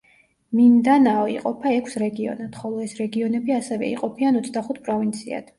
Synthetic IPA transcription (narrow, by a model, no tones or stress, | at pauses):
mind̪anaɔḭqʼɔpʰaɛkʰsɾɛɡiɔ̰nad̪̥χɔlˠɔɛsɾɛɡiɔnɛbiasɛvɛ̰ḭqʼɔpʰianɔt̪sʰd̪aχut̪̚ʰpʼɾɔvint̪sʰia̰d̪̥